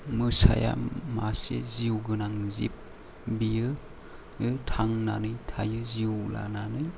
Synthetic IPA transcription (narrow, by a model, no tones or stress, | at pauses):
mɯsa̰ja̰maseziwɡɯnaŋzip̚ | bijɯ | ɯtʰaŋnanɯjtʰajɯziwla̰nanɯj